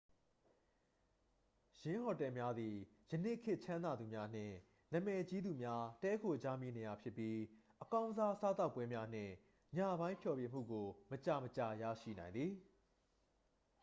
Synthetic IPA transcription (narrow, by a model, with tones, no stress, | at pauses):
jɪ̃˦ɦɔ˨tɛ˨mja˦d̪ði˨ | jə˨ne˦˨ʔkʰːɪ˦ʔt͡ɕʰã˦nd̪a˨d̪u˨mja˦n̥ɪ̰̃˦˨ | nã˨mɛ˨t͡ɕi˦d̪u˨mja˦tɛ˦kʰo˨d͡ʑa˦mi˦˨ne˨ja˨pʰjɪ˦pːji˦ʔəkã˦ʊ̃za˦ʔəsa˦t̪a˦ʊpwɛ˦mja˦n̥ɪ̰̃˦˨ | ɲa̰˦˨bã˦ɪ̃mpʰjɔ˨pjɪ˦˨m̥ṵ˦˨ɡo˨mət͡ɕa˨mət͡ɕa˨ja̰˦˨ʃḭ˦˨nã˨ɪ̃nd̪ði˨